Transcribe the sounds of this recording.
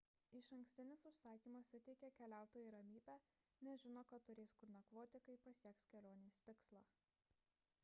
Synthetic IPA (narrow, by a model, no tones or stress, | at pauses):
ɪʃɐŋʲksʲt̪ʲɪnʲɪsʊʃsɑːkʲiːmɐsʲʊt̪ʲɛɪkʲɛkʲɛlʲæˑʊt̪oːjiːɾɐmʲiːbʲæː | nʲɛʒʲɪnoːkɐt̪ːʊɾʲeːskʊɾnʲɐkʋoːt̪ʲɪkɐɪpɐsʲiɛkskʲɛlʲoːnʲeːsʲt̪ʲɪkslˠɑː